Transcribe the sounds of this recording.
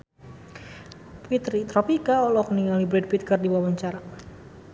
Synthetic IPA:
pit̪ɾit̪ɾɔpikaɔlɔkniŋalibɾɛd̚pit̪̚kərdiwawaɲt͡ʃaɾa

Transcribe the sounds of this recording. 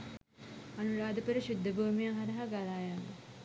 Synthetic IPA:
anuɾaːd̪əpəɾəɕud̪ʱːəbuːmijaŋɦaɾɐɦaɡalaːjaŋə

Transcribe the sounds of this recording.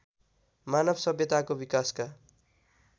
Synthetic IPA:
manʌbʱsʌbjʌt̪akobikaska

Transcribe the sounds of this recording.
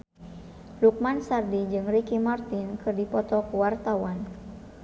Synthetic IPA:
luk̚mansardid͡ʒɨŋrikimart̪inkɨrdipɔt̪ɔkuwart̪awan

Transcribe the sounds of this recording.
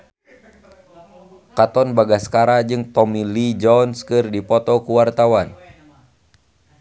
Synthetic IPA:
kat̪ɔnbaɡaskaɾad͡ʒɨŋt̪ɔmilid͡ʒɔnskɨrdipɔt̪ɔkuwart̪awan

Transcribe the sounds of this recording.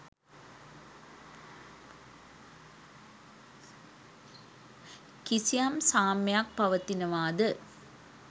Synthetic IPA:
kisijaːmsaːmjak̚pɐʋɐt̪ːinɐʋaːd̪ə

